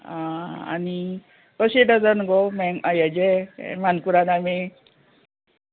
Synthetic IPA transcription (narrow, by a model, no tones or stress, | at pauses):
ãa̰ni | kəɕeɖəd͡zənɡɔmɛŋajad͡ʑemankuɾaname